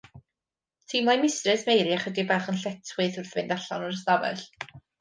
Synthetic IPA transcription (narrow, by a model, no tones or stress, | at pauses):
tʰiːmajmɪstrɨsmejɾiaχədibaχənɬɛtʰwɨθʊrθvɪndaɬɔnɔrəstavɛ̰ɬ